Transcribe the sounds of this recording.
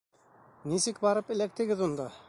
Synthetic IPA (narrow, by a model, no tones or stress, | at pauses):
nisɘk̚bɑɾɤpɘ̆læk̚t̪ɘ̆ɡɘðund̪ɑ